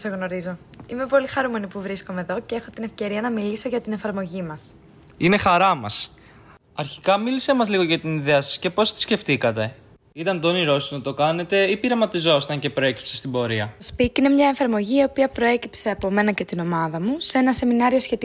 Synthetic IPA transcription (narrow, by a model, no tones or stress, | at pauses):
seɣno̞ɾizo | ime̞po̞lixɐɾume̞nipuvɾisko̞meðo̞ceexo̞t̪ine̞fce̞ɾiɐnɐmiliso̞ʝɐt̪inefɐɾmo̞ʝimɐs | ine̞xɐɾɐmɐs | ɐɾçikɐmilisemɐzliɣo̞ʝɐt̪iniðeɐsɐ̥sce̞po̞st̪i̥sce̞ft̪ikɐt̪e̞ | it̪ɐnd̪oniɾo̞sinɐt̪o̞kɐne̞t̪e̞ipiɾɐmɐt̪izo̞si̥t̪ɐɲce̞pɾo̞e̞ci̥psest̪ibo̞ɾiɐt̪ospicine̞mɲɐeɱfɐɾmo̞ʝiːo̞piɐpɾo̞e̞cipse̞ɐpo̞me̞nɐce̞t̪ino̞mɐðɐmuse̞nɐse̞minɐɾio̞sçe̞t̪i